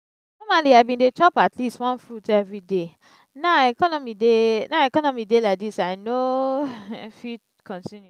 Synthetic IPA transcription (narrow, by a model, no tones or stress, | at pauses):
nɔmaliaɪbĩndet͡ʃɔpatlistwɔ̃nfɹutɛvɹide | naɛkɔnɔmidenaɛkɔnɔmidelaɪk̚disaɪno | fi | kʰɔ̃ntĩnju